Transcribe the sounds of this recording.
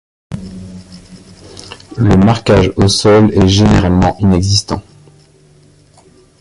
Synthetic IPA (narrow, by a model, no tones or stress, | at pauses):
ləmaʁkʲaʒosɔlɛʒeneʁalmɑ̃ʔinɛɡzist̪ɑ̰̃